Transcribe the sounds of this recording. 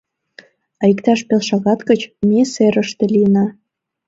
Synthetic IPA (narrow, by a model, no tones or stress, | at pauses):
ɑikt̪ɑʃpelʃɑɣɑt̪kət͡ɕmeseɾəʃt̪ĕlinɑ